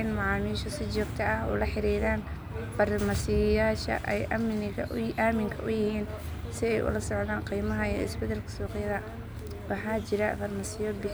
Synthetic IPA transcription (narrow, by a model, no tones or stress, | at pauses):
ɪnmɑʕɑːmiːʃɔsɪt͡ʃɔːɡt̪ʰɐɐhɔ̰ːlɐħɪɾiːðaːn | fɐrmɐsɪjaːʃɐ̰ʔɛjʔamɪnɐʔaːmɪŋkʰɐʔʊjɪhiːn | sɪɛjʔʊ̰lɐsɔʕðaːɴqiːmɐɦɐjɔɪ̰sbɛd̪ɛlkʰɐ̥sɔːqjɐðɐ | wɑħaːt͡ʃɪɾɐfɐrmɐsɪjɔbɪħ